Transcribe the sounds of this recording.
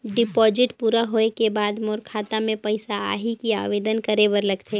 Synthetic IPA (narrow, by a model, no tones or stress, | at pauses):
ɖɪpɔːd͡ʒɪʈpuːɾaɦoːekebaːd̪moːɾkʰaːt̪amẽpɐɪsaa̰ːɦikia̰ːʋeːd̪ənkɐɾeʋəɾlɐɡt̪ʰe